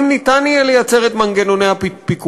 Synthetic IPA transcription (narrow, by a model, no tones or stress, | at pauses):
mnit̪anjalejat͡seʁet̪manɡenonehappik